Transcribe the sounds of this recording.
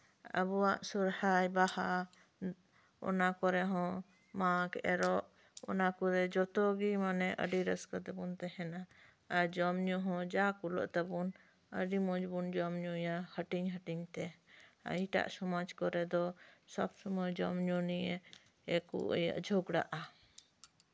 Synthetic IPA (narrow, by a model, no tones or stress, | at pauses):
ə̰buwaʔsuɾhajbaha | ɔ̰nakɔɾɛɦɔ̃ | maɡɛ̰ɾɔʔ | ɔ̰nakuɾɛd͡ʒɔt̪ɔɡimanɛʔə̰ɖiɾəskad̪ɛbunt̪ɛhɛnaː | ɾd͡ʒɔmɲɔɦɔ̃d͡ʒakulɔ̰ʔt̪ɛbun | əɖimɔd͡ʒbund͡ʒɔmɲujahəʈiɲɦəʈiɲt̪ɛa̰iʈa̰ʔsɔmad͡ʒkɔɾɛd̪ɔsɔbsɔmɔjd͡ʒɔmɲunijɛ | ɛkṵʔja̰ʔd͡ʒʱoɡɽa̰ʔa